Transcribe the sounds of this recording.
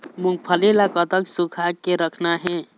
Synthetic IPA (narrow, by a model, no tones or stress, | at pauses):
mũŋɡ̚pʰəlilakət̪əksukʰakeɾəkʰnaɦɛ̃